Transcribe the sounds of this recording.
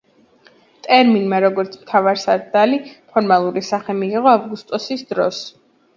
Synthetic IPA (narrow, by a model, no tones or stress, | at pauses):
t̪ʼɛɾminmaɾɔɡɔɾt̪sʰmt̪ʰavaɾsaɾd̪alipʰɔɾmalˠuɾisaχɛmiːʁɔavɡust̪ʼɔsisd̪ɾɔ̰s